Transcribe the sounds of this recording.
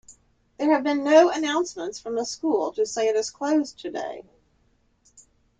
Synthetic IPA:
ðə˞ɨvbɨ̃nːoʊɨnãʊ̃nsmə̃ntsfɹʌ̃mðəskulˠtʰɨseɪɨɾɨz̥kʰl̥oʊztʰɨdḛɪ

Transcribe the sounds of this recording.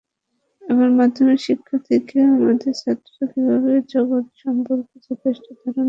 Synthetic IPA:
ɛbaɾmad̪ʱːomeɾʃikʰːat̪ʰekeamad̪eɾʃat̪ːoakebʱabed͡ʑɔɡot̪ʃɔmpoɾkot͡ɕʰebeʃʈod̪ʱaɾon

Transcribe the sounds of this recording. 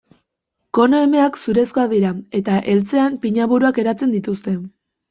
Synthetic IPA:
ko̞noe̞me̞aksuɾe̞sko̞aðiɾae̞t̪aʔe̞lt͡se̞ampiɲaβuɾuake̞ɾat͡se̞nd̪it̪ust̪e̞

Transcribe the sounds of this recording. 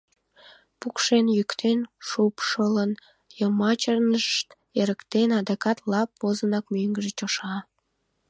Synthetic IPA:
pukʃenjykt̪ʰenʃupʃələn | jəmɑt͡ɕərnəʃt̪ | eɾəkt̪enɑd̪ɑkɑt̪lɑpːozənɑkmyŋɡəʒet͡ɕoʃɑ

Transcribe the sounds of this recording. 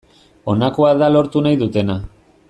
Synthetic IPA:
o̞nakoaðalo̞ɾt̪unajðut̪e̞na

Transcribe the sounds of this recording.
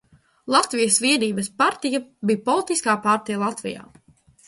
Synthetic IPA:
lˠat̪vijəsviɛniːbɐspaɾt̪ijabiːpɔlˠit̪iskaːpaɾt̪ijalˠat̪vḭja̰ː

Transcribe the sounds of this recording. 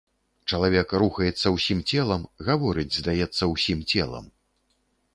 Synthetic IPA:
t͡ʂɐlˠavʲɛkɾuxɐjɛt̪sːɐwsʲimt͡sʲɛlˠɐmɣavɔɾɨd͡zʲzd̪ajɛt̪sːɐwsʲimt͡sʲɛlˠɐ̰m

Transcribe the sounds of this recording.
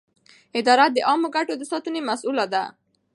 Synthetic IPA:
ɪd̪ɑɾat̪̚d̪əʔɑmoɡaʈod̪əsɑt̪unemasulad̪a̰

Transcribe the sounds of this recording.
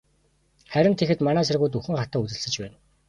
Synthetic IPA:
χæɾʲɪ̆nt̪ʰexɘ̆t̪manæːsarɣuːjt̪uxɘ̆ŋχat̪aːut͡sɘ̆ɮsɘ̆t͡ɕpæːn

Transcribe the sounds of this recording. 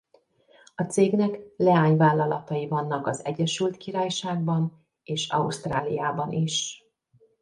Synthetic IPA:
ɒt̪seːɡnɛklɛaːɲvaːlːɒlɒ̰t̪ɒjivɒnːɒkɒzɛɟːɛʃylt̪kiɾaːjʃaːɡ̚bɒn | eːʃɒ̰uʃt̪raːlijaːbɒnʔiʃ

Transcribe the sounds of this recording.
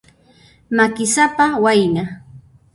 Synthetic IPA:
makɪsapawajna

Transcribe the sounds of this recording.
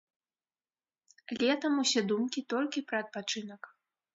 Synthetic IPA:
lʲɛt̪ɐmusʲɛd̪umkʲit̪ɔlʲkʲipɾɐːt̪̚pat͡ʂɨnɐk

